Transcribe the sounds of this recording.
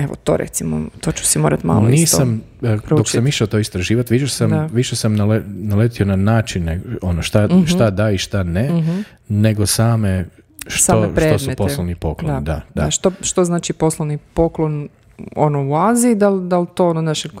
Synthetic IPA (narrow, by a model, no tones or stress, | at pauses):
eʋo̰t̪o̰ɾḛt̪simo̰t̪oːt͡ʃu̥simo̞ːɾat̪ma̰lniːsam | ɾd̪oksamiʃaot̪oːist̪ɾaʒiːʋat̪ʋiʃesamʋiʃesamnalenalet̪ionanaːt͡ʃinːeɡonoʃt̪aʃt̪ad̪aiʃt̪ane | neɡo̞saːme | ʃtsaomeʃɾeosuetposlˠoʋnipo̞klonid̪ad̪aaʃt̪oʃt̪oznaːt͡ʃipo̞slˠoʋnipoklon | o̰nouaːziid̪ald̪alt̪oːononaʃe